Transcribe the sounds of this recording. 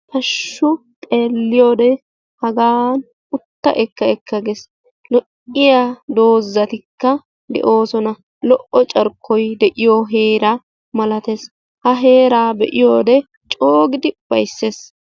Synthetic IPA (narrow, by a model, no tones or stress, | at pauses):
p̪ɐʃːʊ | t̪ʼe̞ːlːɪjoːd̪ɛ | hɐɡaːn | ʊt̪ːɐ̰ʔɛkːɐɛkːɐɡes | lɔʔɪjad̪o̞ːzːɐt̪ɪkːɐ | d̪ɛ̰ʔo̞ːsɔnɐ | lɔʔɔt͡ʃʼɐɾkʰːɔjd̪ɛʔɪjoɦeːɾa | mɐlɐt̪e̞ːs | hɐɦe̞ːɾaːbɛ̰ʔɪjoːd̪ɛ | t͡ʃʼoːɡɪd̪ɪb̥ɐjsːeːs